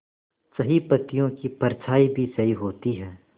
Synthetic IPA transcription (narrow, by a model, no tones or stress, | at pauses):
sɐɦipɐt̪ijõkipɐɾt͡ʃʰaːibʱisɐɦiɦoːt̪iɦɛː